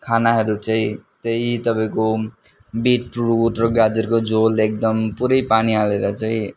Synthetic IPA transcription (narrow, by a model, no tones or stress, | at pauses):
kʰanaɦʌɾut͡saĩt̪ejit̪ʌpaĩko | biʈruʈrʌɡad͡zʌrkod͡zolek̚d̪ʌmpuɾʌjpanialeɾʌt͡saĩ